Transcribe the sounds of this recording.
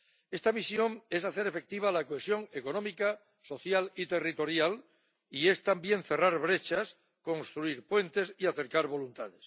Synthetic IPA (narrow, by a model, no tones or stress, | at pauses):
e̞st̪amisjo̞ŋe̞saθe̞ɾe̞fe̞k̚t̪iβ̞alakoesjo̞ŋeko̞no̞mika | so̞θjalit̪e̞rit̪oɾjal | ie̞st̪ambje̞nθe̞raɾβɾe̞t͡ʃas | ko̞nst̪ɾuiɾpwe̞nt̪e̞siaθe̞ɾkaɾβo̞lunt̪aðes